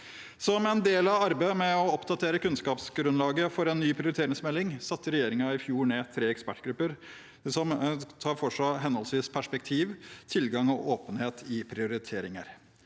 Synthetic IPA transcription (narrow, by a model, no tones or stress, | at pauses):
sɔmɛnd̪eːlɑʋɑɾbemɛɔɔpd̪ɑt̪ʰeːɾəkʉnskɑːpsɡɾʉnlɑːɡəfɔɾɛnːyːpʰɾɪʊɾɪt̪ʰeːɾɪŋsmɛlːɪŋsɑt̪ːəɾɛjeːɾɪŋɑɪfjuːɾɳeːt̪ʰɾeːɛkspæʈɡɾʉpːəɾ | sɔmt̪ʰɑːɾfɔʂɑɦɛnɔlsɪspʰæʂpɛk̚t̪ʰiːʋt̪ʰɪlɡɑŋɔʔoːpənheːt̪ʰɪpʰɾɪʊɾɪt̪ʰeːɾɪŋə̰ɾ